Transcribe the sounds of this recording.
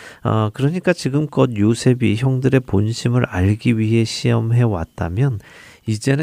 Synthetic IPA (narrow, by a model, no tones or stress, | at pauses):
ʌ̰kɯɾʌɲik͈at͡ɕiɡɯmk͈ʌd̚josʰe̞biçjʌŋdɯɾe̞ponɕʰimɯɾaʎɡiɥiɦe̞ɕʰiʌmɦe̞wa̰t̚t͈a̰mjʌn | id͡ʑe̞nɯ